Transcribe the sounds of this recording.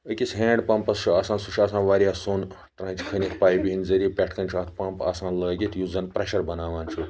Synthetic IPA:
əkʲisɦẽːɳɖpɐ̃mpɐst͡ʃʰuaːsãːnsuʃʰaːsãːnʋaːɾʲjaːson | ʈɾãːnʲt͡ʃkʰɐnʲit̪ʰpaːjibiɦinzɐɾiepʲeʈʰkɐnʲt͡ʃʰuɐt̪̚ʰpɐmpa̰ːsãːnlɐːɡʲit̪juzɐnpɾɐʃɐɾbɐnaːʋaːnt͡ʃʰu

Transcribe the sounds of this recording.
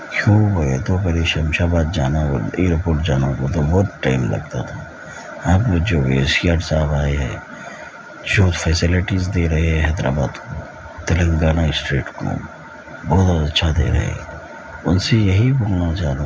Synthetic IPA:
kjũːboet̪opɛɾiʃɐmʃabaːd̪̚d͡ʒaːnao̰eːɾpoːɾʈd͡ʒaːnakot̪oboːɾʈaɪmlɐ̰ɡt̪a̰t̪ʰa | ɐbd͡ʒoːḛːsiaːɾsaːbaːeɦɛ̰̃ː | d͡ʒoːt̪fʰɛːsɪlɪʈiːzd̪eːɾɐɦeɦɛ̃ɦɛːd̪ɾa̰ːbaːd̪ko | t̪ɐlə̃ŋɡaːnaɪsʈɾeːʈkõ̰ːm | bɔːt̪bɔːt̪ɐtːʃʰad̪ḛːɾɐ̰ɦḛ | ʊnsejɐɦibʊɡnat͡ʃaːd̪a

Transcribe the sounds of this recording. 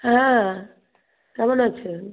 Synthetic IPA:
ɦɛ̃ | kɛmonaːɕʰe

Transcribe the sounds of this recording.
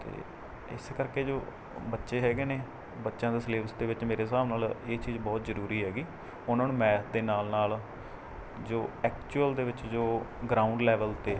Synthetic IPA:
t̪ḛː | ɪ̰seːkəɾkeːd͡ʒoː | bətːʃeːɦɛːɡeːneː | bətːʃãːd̪eːsleːʋsd̪eːʋɪt͡ʃmeːɾeːsaːʋnaːleːt͡ʃiːzbɔːt̪zəɾuːɾiːɦɛːɡiː | ʊnãːnũːmɛ̃ːd̪eːnaːlnaːl | d͡ʒoːɛːkt͡ʃuəld̪eːʋɪt͡ʃd͡ʒoːɡɾaːʊɳɖlɛːʋəlt̪eː

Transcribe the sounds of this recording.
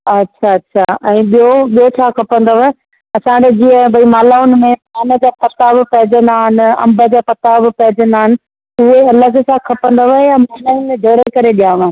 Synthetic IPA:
ɐtːɕʰaɐtːɕʰaɛ̃ːɓijoɓijot͡ɕʰaːkʰɐpə̃nd̪oʋɐɦ | ɐsãːd͡ʑed͡ʑĩːə̃bʱɐimaːlaːʊnɪ̆mẽaːnə̆d͡ʑaːpɐt̪aːbɪ̆pɐɦɪd͡ʑə̃nd̪aːɦɪnɪ̆ɐ̰̃mbə̆d͡ʑaːpɐt̪abɪpɐɦɪd͡ʑə̃nd̪aːɦɪnɪ̆ | ʊɦeɐləsakʰɐpə̃nd̪oʋɐɦejamaːlaɪnmẽd͡ʑʱɐɽekɐɾeɗijãːãɦ

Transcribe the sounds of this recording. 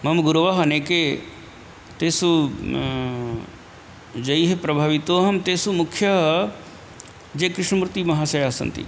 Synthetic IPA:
mɐmɡuɾɐʋɐɦɐneːke | t̪eːsu | d͡ʒɐjɦepɾɐbʱaːʋit̪oːɦɐmt̪eːsumukʰjɐɦ | d͡ʒeːkɾɪʂɳɐmɾut̪imɐɦaːsɐjaːsɐ̰nt̪ḭ

